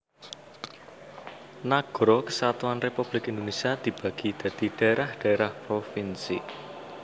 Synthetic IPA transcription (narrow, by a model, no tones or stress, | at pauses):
naɡ̥ɾɔkə̥sat̪uanrepub̥lɪkɪnd̪onesiad̪̥i̤b̥ä̤ɡ̥id̪̥ä̤d̪̥iɖ̥a̤eɾahɖ̥a̤eɾahpɾofinsi